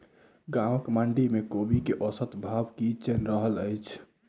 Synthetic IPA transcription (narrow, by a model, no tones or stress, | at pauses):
ɡaməkməɳɖimekobikeʔɔsət̪bʱabkit͡ʃenɾəɦələɪt͡ʃʰ